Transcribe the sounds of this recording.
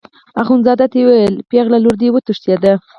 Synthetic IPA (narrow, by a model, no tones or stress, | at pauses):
axunzɑd̪at̪ewajəlpeɣlaluɾd̪ewət̪əʂt̪jad̪a